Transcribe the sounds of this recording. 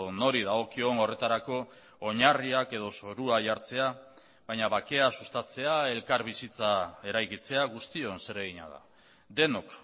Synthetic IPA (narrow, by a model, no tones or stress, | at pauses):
no̞ɾiðaɣ̞o̞kio̞ŋo̞re̞t̪aɾako̞ː | ɲariake̞ð̞o̞so̞ɾuaʝaɾt͡se̞a | βajɲaβake̞asust̪at͡se̞ae̞lkaɾβisit͡sae̞ɾajkit͡se̞aɣ̞ust̪io̞nse̞ɾe̞ɣiɲa̰ð̞a̰ | d̪e̞nok